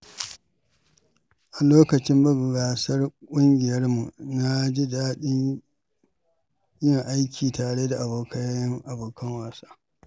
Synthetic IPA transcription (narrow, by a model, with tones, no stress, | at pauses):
ʔa˨loː˦kɐ˨t͡ʃɪ˦mbɐ˦ɡɡaː˨sɐ˦rkʷʼʊ˦ŋɡʲɪ˨jɐ˦rmu˨na˦d͡ʒɪ˦daː˦ɗɪ˦ɲ | jɪ˦ŋʔa˦jkʲʰiː˨taː˨ɽe˦da˨ʔa˨boː˨kʰɐ˦jŋʔa˨boː˨kɐ˦ŋwaː˨sḁː˦